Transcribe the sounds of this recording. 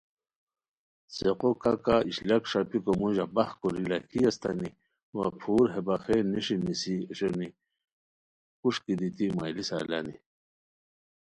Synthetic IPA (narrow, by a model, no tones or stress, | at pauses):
seqokakaiɕlɐkʂapikomuʑabɐhkuɾilakʰiɐst̪ani | wa̰pʰuːɾɦebaxenːiʂinisiɕoni | kuʂkid̪it̪imajlisa̰la̰nḭ